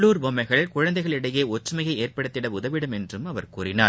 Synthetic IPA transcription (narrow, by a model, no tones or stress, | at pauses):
ɭuːɾbɔmːɐɪɣɐɭkʊɻɐnd̪ɐɪɣɐɭɪɽɐjeːɔʈrɯmɐjɣɐɪeːrpɐɽɯt̪ːɪɽɐʊðɐʋɪɽɯmɛndrɯmɐʋɐɾkuːrɪnaː